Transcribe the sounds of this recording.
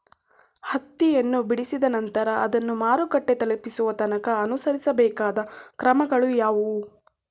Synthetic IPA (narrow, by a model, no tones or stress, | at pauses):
hɐt̪ːijɐnːubiɽisid̪ɐnɐnt̪ɐɾɐʔɐd̪ɐnːumaːɾukɐʈːe̞t̪ɐlɐpisuʋɐt̪ɐnɐkɐɐnusɐɾisɐbɛːkaːd̪ɐkɾɐmɐɡɐɭujaːʋu